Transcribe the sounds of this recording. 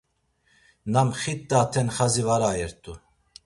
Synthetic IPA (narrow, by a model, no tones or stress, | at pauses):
namχit̪ːat̪ʰɛnχazivaɾajɛɾt̪ʼu